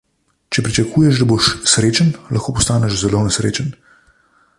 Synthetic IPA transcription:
t͡ʃɛpɾit͡ʃɐkʰuːjɛʃd̪aboʃsɾeːt͡ʃənlɐxkoːpɔst̪aːnɛʃzɛlonɛsɾḛːt͡ʃən

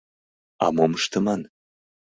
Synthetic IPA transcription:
a̰momɨʃt̪əman

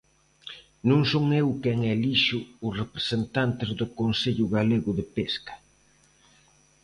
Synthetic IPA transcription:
nõŋsoŋewkɛŋɛliʃʊʊsrepɾe̥sent̪ant̪ɪzðʊkonseʎʊɣaleɣʊðepeskɐ̥

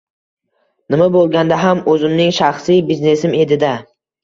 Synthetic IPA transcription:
nɪmabolˠɡʲand̪aɦamɵzɪmnɪŋʃaχsijbizne̞sɪme̞d̪ɪd̪a

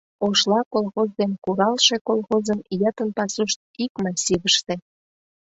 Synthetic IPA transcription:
oʃlɑkolˠxozd̪enkuɾɑlʃekolxozənjɑt̪ənpɑsuʃt̪̚ikmɑsʲiβəʃt̪e

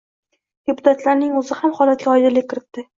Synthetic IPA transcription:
d̪̥epʰʊ̥t̪ʰat̪laɾnɪŋɵzɪhamhɒlˠat̪̚ɡʲaɒjd̪ɪlɪkʰɪɾɪt̪ːɪ

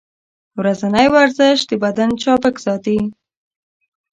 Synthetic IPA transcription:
wɾazanajwaɾzəʃ̚d̪əbad̪ant͡ʃɑpəkz̥ɑt̪i

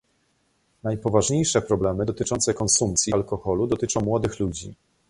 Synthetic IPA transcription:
najpɔvaʐɲejʂɛpɾɔblɛmɘd̪ɔt̪ɘt͡ʂɔnt̪sɛkɔnsumpt̪sʲjialkɔxɔlud̪ɔt̪ɘt͡ʂɔ̃w̃mwɔd̪ɘxlud͡ʑi

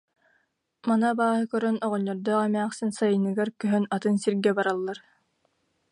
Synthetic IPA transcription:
manabaːɦɯkœɾœnɔʁɔɲːɔɾd̪ɔːʁɛmæːχsinsajɯnɯɡaɾkœɦœnat̪ɯnsiɾɡɛbaɾalˠːaɾ

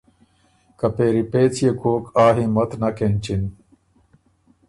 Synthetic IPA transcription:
kɐpeːɾipeːt͡sjekoːkaːɦĩmɐt̪nɐkent͡ɕin

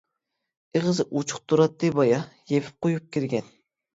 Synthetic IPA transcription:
eʁəzɨʔut͡ʃʰʊ̥χ̚t̪ʰuɾɑt̪ːɨbɑjɑjepʰɪ̥p̚qojup̚kʲiɾɡʲɛn

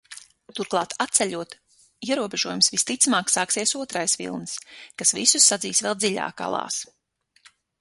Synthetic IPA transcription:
t̪uɾklˠɑːt̪ʰat̪t̪sɛʎʲuɔt̪ | iɛɾuɔbeʒuɔjumsvist̪it̪samaːksaːksiɛsuɔt̪ɾajsʋḭlˠnɨskasvḭsusːad̪ziːsvɛlˠd̪zilʲa̰ːka̰lˠɑ̰ːs

